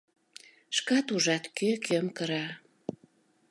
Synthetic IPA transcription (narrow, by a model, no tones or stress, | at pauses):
ʃkɑt̪uʒɑt̪kʰøkʰømkəɾɑ